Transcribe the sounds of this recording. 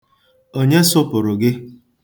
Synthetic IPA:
o˦ɲe˦sʊ˦pʊ˨ɾʊ˨ɡɪ˦

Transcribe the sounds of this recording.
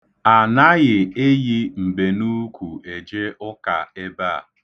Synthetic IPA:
a˨na˦ɣɪ˨e˦ji˦m̩˨be˨nu˦kʷu˨e˨d͡ʒe˦ʔʊ˦ka̰˨e˦ba̰˦˨

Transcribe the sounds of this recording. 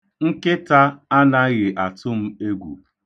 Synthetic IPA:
ŋ̩˦kɪ˦ta˦a˦na˦ɣɪ˨ʔa˨tʊ˦m̩˦e˦ɡʷṵ˨

